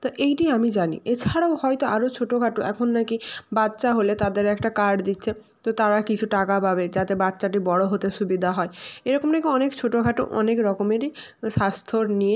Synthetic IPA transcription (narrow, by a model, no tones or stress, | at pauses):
t̪oʔejʈiamid͡ʑanḭʔet͡ɕʰaɽaohɔjt̪oʔaɾot͡ɕʰoʈoɡʱaʈoɛ̰kʰonːakibatːɕaɦolet̪ad̪eɾɛkʈakaɖd̪it̪ːɕʰe | t̪ot̪aɾakit͡ɕʰuʈakapabed͡ʑat̪ebat̪ːɕaʈibɔɽoɦot̪eʃubid̪ʱaɦɔeeɾɔkomnak̬iɔnekt͡ɕʰoʈoɡʱaʈo̰ʔɔ̰nekɾɔkomeɾiʃast̪ʰoɾnie